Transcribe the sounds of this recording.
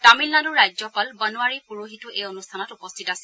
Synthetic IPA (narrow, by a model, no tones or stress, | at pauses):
tamilnadʊɹajzɔpalbənuaɹipuɹoɦituʔejonustʰanɔtupɔstʰitasɛ